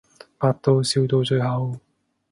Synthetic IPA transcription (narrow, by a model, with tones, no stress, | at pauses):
paː˧t̚t̪o˧wsi˧wt̪o˧wt͡ɕɵ˧jɦɐ˨˧w